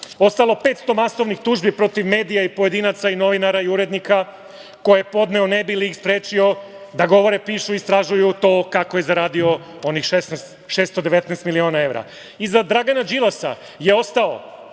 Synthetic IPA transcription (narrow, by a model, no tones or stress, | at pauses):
o̞st̪alˠo̞pe̞t̪st̪o̞maso̞ʋnixt̪uːʒbipɾo̞t̪iʋme̞ːd̪ijaipo̞je̞d̪inat̪saino̞ʋinaɾaiuɾe̞d̪nika | ko̞jeepo̞d̪neonebiliːxspɾeːt͡ʃio̞ | d̪aɡo̞ʋo̞ɾe̞piːʃuist̪ɾaʒujut̪o̞ːkakoje̞zaɾaːd̪io̞ | o̞nixʃesnɛst̪ | ʃeːst̪od̪e̞ʋet̪nɛːst̪milio̞ːnae̞ʋɾa̰ | izad̪ɾaɡanad͡ʒilˠasa̰ | je̞o̞st̪ao̰